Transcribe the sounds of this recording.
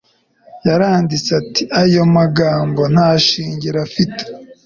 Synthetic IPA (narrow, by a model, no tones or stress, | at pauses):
jaɾaːndit͡satiʔajo̞maɡaːmbo̞n̥haʃiːɲɟiɾafite̥